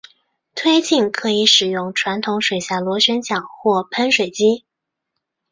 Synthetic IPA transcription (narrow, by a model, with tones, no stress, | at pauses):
t̪ʰwe˥ɪt͡ɕi˥˩nkʰɤ˧˥i˧˥ʂɻ̩˨˩jʊ˥˩ŋʈ͡ʂʰwa˧˥nt̪ʰʊ˧˥ŋʂwe˨˩ɪɕja˥˩lwɔ˧˥ɕɥɛ˧˥nt͡ɕjɑ˨˩ŋxwɔ˥˩pʰə˧˥nʂwe˨˩ɪt͡ɕi˥